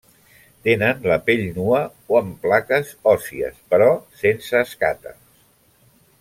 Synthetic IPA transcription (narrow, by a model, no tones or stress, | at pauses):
t̪enənləpeʎnuə | oəmplakəzɔsiə̰spəɾɔsensəːska̰t̪ə̰